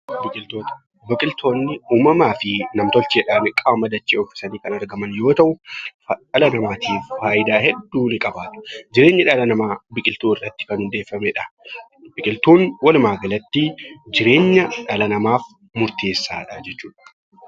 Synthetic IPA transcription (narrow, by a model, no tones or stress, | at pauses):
bɪkʼɪlt̪oːt̪ɐ̥ | bɐkʼɪlt̪ʰoːnːɪuːmɐmaːfɪnɐmt̪ɔlt͡ʃeːᶑaːnɪkʼaːmɐd̪ɐt͡ʃːiːɔfɪ̥sɐniːkɐnɐɾɡɐmɐnjo̞ːt̪ɐʔʊ | ɐlɐnɐmaːt̪ʰiːfːaːjɪd̪aːɦɛd̪ːuːnɪkʼɐbaːt̪ʊ̥d͡ʒɪɾe̞ːɲːɐᶑɐlɐnɐmaːbɪkʼɪlt̪uːɪrːɐt̪ːɪ̥kɐnhʊnd̪e̞ːfːɐmɛᶑɐ̥ | bɪkʼɪlt̪uːnwɐlmaːɡɐlɐt̪ːɪd͡ʒɪɾe̞ːɲːɐᶑɐlɐnɐmaːf | mʊɾt̪e̞ːsːaːᶑɐd͡ʒɛt͡ʃːuːᶑɐ̥